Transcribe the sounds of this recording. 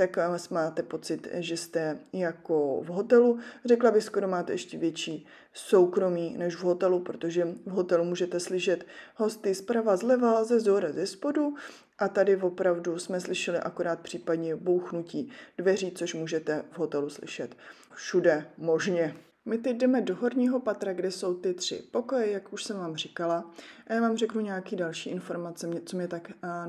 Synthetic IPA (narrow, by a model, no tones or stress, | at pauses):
t̪aksmaːt̪ɛpo̞t͡sɪt̪ʒɛst̪ɛjako̞vɦo̞t̪ɛlurɛklabɪxsko̞ɾo̞maːt̪ɛ̰jʔɛʃcɛvjɛt͡ʃiː | so̞wkɾo̞miːnɛʃvɦo̞t̪ɛlupɾot̪o̞ʒɛvɦo̞t̪ɛlumuːʒɛt̪ɛslɪʃɛt̪ɦo̞st̪ɪspɾavazlɛvalzɛzoɾazɛspo̞du | ʔat̪adɪvo̞pɾavdusmɛslɪʃɛlɪʔakoɾaːt̪̚pr̥iːpadɲɛbo̞wxnuciːd̥vɛriːt͡so̞ʃmuːʒɛt̪ɛvɦo̞t̪ɛluslɪ̰ʃɛt̪ | fʃudɛmo̞ʒɲɛ | mɪt̪ɛc̚dɛmɛdo̞ɦo̞ɾɲiːɦo̞pat̪ɾaɡdɛso̞wt̪ɪt̪r̝̥ɪ̰po̞ko̞jɛjakuʃsɛmvaːmr̝ɪkalaajaːvaːmrɛknuɲɛakiːdalʃiːʔɪnfo̞ɾmat͡sɛmɲɛt͡somɲɛt̪ak